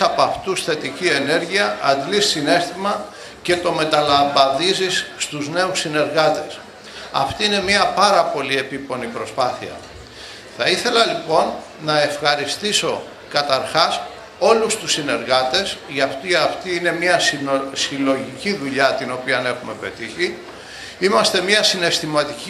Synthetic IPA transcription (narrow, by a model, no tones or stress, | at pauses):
ɐpɐft̪usθe̞t̪icie̞ne̞ɾʝiɐːd̪lissine̞st̪imɐ | ce̞t̪o̞me̞t̪ɐlɐmbɐnðizisːt̪uzne̞usine̞ɾɣɐt̪e̞s | ɐ̰ft̪iine̞mɐpɐɾɐpo̞lie̞pipo̞nipɾo̞spɐθiɐ̰ | θɐiθe̞lɐlipo̞nː | ɐe̞fxɐɾist̪iso̞ | kɐt̪ɐɾxɐs | o̞lust̪usːine̞ɾɣɐt̪e̞sʝɐft̪iɐft̪iːne̞mɲɐsilo̞ʝiciðuʎɐt̪ino̞piɐne̞xume̞pe̞t̪içi | imɐst̪e̞mɲɐsine̞st̪imɐt̪ic